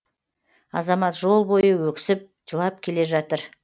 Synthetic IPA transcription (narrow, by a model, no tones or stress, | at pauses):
ɑzɑmɑt̪ʒo̞lˠbo̞jəwɵkʲsɪp̚ʒ̥əlˠɑp̚kʲʰe̞le̞ʒɑt̪əɾ